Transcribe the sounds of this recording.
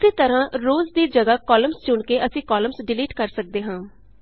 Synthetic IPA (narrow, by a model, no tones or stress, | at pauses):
ɪseːt̪əɾãːɾoːzd̪iːd͡ʒəɡaːkɔːləmst͡ʃʊɳkeːʔəsĩːkɔːləmsɖɪliːʈkəɾsək̚d̪eːɦãː